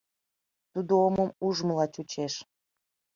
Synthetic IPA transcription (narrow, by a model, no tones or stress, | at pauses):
t̪ud̪ooməmuʒməlɑt͡ɕut͡ɕeʃ